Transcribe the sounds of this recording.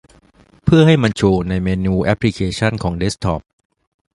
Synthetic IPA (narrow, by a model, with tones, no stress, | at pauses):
pʰɯ˥˩ɐha˥˩jma˧nt͡ɕʰoː˧na˧jmeː˧nuː˧ʔɛ˦˥pʰːli˧˥kʰeː˧t͡ɕʰa˥˩nkʰɔː˩˦ŋde˦˥st̪ʰɔː˦˥p̚